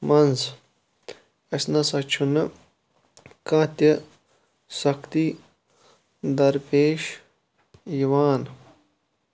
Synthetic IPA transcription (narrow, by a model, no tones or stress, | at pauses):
mɐnz | ɐsnɐsɐt͡ʃʰunɨ | kɐ̃ːt̪ɐ | sɐkt̪i | d̪ɐɾpeːʃ | jiʋaːn